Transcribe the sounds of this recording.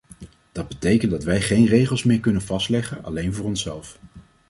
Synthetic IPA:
d̥ɑd̚bətejkəntdɑtʋɛjχejnrejχəlˠsmɪːɹkɵnənvɑstlɛχənɑ̰lejnvʊːɹɔnsɛ̰lˠf

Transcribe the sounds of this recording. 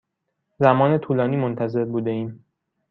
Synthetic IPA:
zæmɒːne̞t̪ʰuːlɒːniːmont̪ʰæze̞ɾbuːd̪e̞iːm

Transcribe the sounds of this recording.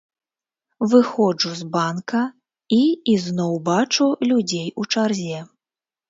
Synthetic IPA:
vɨxɔd͡ʐuzbankɐ | iiznɔwbat͡ʂulʲud͡zʲejut͡ʂarzʲɛ

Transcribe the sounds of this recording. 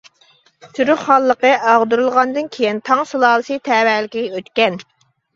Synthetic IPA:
t̪ʰyɾyχɑlˠːəqəʔɑʁd̪uɾɨlˠʁɑnd̪ɨnkʲʰejint̪ʰɑŋsulˠɑːlˠɨsɨt̪ʰɛːwæːlɪkʲiɛøt̪kʲɛn

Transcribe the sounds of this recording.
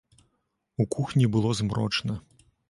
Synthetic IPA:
ukuxnʲibɨlˠɔzmɾɔt͡ʂnɐ

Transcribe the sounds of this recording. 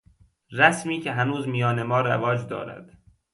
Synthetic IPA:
ɾæsmiːcʰeɦænuːzmijɒːne̞mɒːɾævɒːd͡ʒd̪ɒ̰ːɾæ̰d̪̥

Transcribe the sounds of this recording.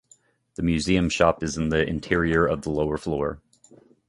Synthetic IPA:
ðɨmjʉziɨ̃mʃɑpɨz̃n̩ðiʔɪ̰̃ntʰɪɹiə˞ʌvðəloʊə˞flɔɹ

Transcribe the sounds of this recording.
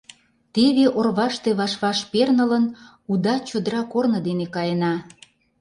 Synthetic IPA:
t̪eβeʔorβɑʃt̪eβɑʃβɑʃpernələn | ud̪ɑt͡ɕod̪əɾɑkornɤ̆d̪enekɑjənɑ

